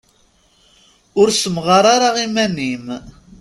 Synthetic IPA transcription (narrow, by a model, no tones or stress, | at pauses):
ʊɾsəmʁɑɾˤaɾaʁimænːim